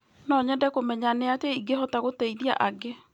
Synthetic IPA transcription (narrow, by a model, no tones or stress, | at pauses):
nɔɲɛndɛkomɛɲaneateiɡeɦɔtaɣotɛiðia̰ʔaɡe